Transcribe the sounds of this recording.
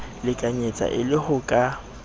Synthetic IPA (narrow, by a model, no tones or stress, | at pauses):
lɪkʼaɲet͡sʼa̰ʔɪlɪhʊkʼa